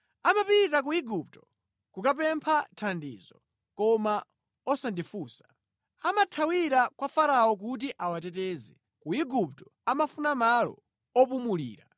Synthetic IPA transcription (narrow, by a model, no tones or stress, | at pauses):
amapitak̬uiɡup̚tɔ̥ | kukap̬ɛmpʰatʰandḭːzɔ̰ | kɔma | ɔsandifuːsḁ | amatʰawiɾakwafaɾaɔk̬ut̬iʔawatɛtɛːzɛ | kuiɡup̚tɔ̥ | amafunamalɔ̰ | ɔpumulḭːɾa